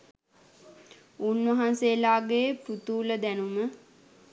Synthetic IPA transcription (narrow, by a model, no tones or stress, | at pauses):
uːnʋaɦanselaːɡepɾut̪uːləd̪ænumə